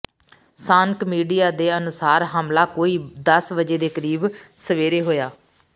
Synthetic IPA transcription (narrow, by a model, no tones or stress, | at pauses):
saːŋkmiːɖijaːd̪eːənʊsaːɾɦaːmlaːkoːiːd̪əsʋəd͡ʒeːd̪eːkəɾiːbsəʋeːɾeːɦoːjaː